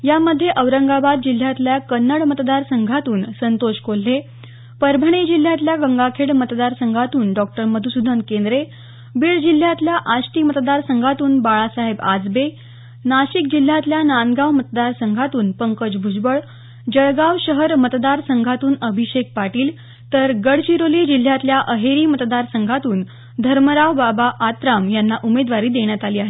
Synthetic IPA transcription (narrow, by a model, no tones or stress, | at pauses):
jaməd̪ʱːjeʔəʋɾəŋɡabad̪̚d͡ʑil̤ːjat̪ljakənːəɽmət̪d̪aɾsəŋɡʱat̪uːnsənt̪oɕkol̤ːe | pəɾbʱəɳ̃ed͡ʑil̤ːjat̪ljaɡəŋɡakʰeɭmət̪d̪aɾsəŋɡʱat̪uːnɖɔk̚ʈəɾməd̪ʱusud̪ʱənkend̪ɾe | biːɭd͡ʑil̤ːjat̪ljaʔaɕʈ̪iːmət̪d̪aɾsəŋɡʱat̪uːnbaɭasaɦebad͡zbe | naɕik̚d͡ʑil̤ːjat̪ljananɡaʋmət̪d̪aɾsəŋɡʱat̪uːnpəŋkəd͡ʑbʱud͡ʑbəɭ | d͡ʑəɭɡaʋɕəɦəɾmət̪d̪aɾsəŋɡʱat̪uːnəbʱiɕek̚paʈiːl | t̪əɾɡəɽt͡ɕiɾolid͡ʑil̤ːjat̪ljaʔəɦeɾiːmət̪d̪aɾsəŋɡʱat̪uːn | d̪ʱəɾməɾaʋbabaʔːt̪ɾamjanːaʔumed̪ʋaɾiːd̪eɳjat̪aliːaɦe